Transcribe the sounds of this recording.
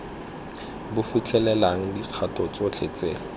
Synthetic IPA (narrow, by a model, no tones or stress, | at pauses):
bʊfut͡ɬʰʼɛlɛlaŋ̩diq͡χʰatɔt͡sot͡ɬʰet͡seːlɔ